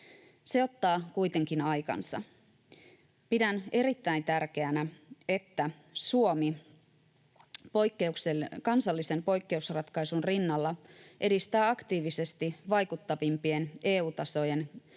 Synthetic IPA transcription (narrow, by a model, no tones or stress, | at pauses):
seo̞t̪ːɑːkujt̪e̞ŋkinɑjkɑ̰nsɑ̰ | pidæne̞ɾit̪ːæint̪ærk̟e̞ænæe̞t̪ːæ | suomi | pojkːeuksekɑnsɑlːise̞mpo̞jkːe̞usrɑt̪kɑjsunrinːɑlːɑʔe̞dist̪æːɑkt̪iːʋise̞st̪iʋɑjkut̪ːɑʋimpie̞ne̞ːuːt̪ɑso̞je̞n